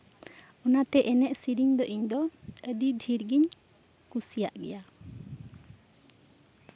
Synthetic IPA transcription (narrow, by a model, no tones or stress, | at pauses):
ɔnat̪ɛʔɛnɛʔsiɾiɲd̪ɔʔiɲd̪ɔəɖiɖʱiɾɡiɲ | kusija̰ʔɡɛ̰ja